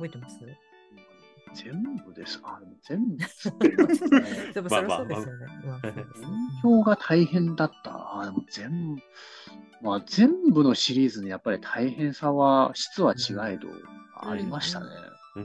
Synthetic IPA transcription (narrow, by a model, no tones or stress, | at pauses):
oeas | z̥ẽ̞mbɯ̟d̪e̞sɨ̥aɾemozẽ̞mbɯes | maaoɯ̃ŋçʲo̞ːɡat̪ʰaihẽ̞nd̪at̪ːa̰ad̪emo̞z̥ẽ̞m | mazẽ̞mbɯ̟no̞ɕiɾʲiːzɨɲ̟ijapːaɾʲit̪ʰaihẽ̞ɰ̃saβaɕi̥t͡sɨβat͡ɕiɡaid̪o̞̰aa̰ɾʲimaɕi̥t̪a̰ne̞̰